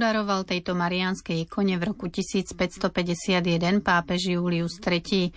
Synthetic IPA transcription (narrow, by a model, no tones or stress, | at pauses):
d̪aɾɔʋalt̪ɛjt̪ɔmaɾianskɛjɛkɔɲɛvɾɔkucisiːt͡spɛcst̪ɔpɛɟɛsɪad̪jɛd̪ɛnpaːpɛʒjuːliust̪ɾɛciː